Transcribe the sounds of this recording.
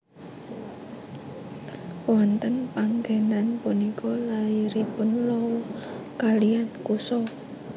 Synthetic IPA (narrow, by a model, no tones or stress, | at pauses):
wɔnt̪ənpaŋɡenanpunikɔlaiɾipʊnlɔwɔ | kalijankusɔ